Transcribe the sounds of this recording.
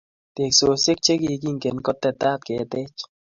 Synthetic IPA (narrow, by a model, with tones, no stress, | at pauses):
te˨kso˨se˦k̚t͡ʃe˦ki˨ki˦ŋɡe˨nkɔ˦t̪ːɛ˨t̪aː˦t̚kɛ˨t̪ɛ˦t͡ʃ